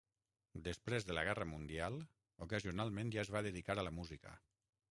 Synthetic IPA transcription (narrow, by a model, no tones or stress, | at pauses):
d̪əspɾezðələɣɛrəmund̪ialˠ | ukəziunalˠmẽnʒaezβaðəðikaɾələmuzikə̰